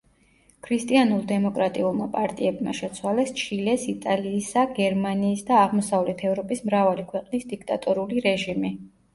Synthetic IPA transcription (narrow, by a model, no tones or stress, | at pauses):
kʰɾist̪ʼianulˠd̪ɛmɔkʼɾat̪ʼiulˠmapʼaɾt̪ʼiɛbma̰ʃɛt̪sʰwalɛst͡ʃʰilɛsit̪ʼaliːsaɡɛɾmaniːsd̪aːʁmɔsavlɛt̪ʰɛvɾɔpʼismɾavalikʰwɛqʼnisd̪ikʰt̪ʼat̪ʼɔɾuliɾɛʒimi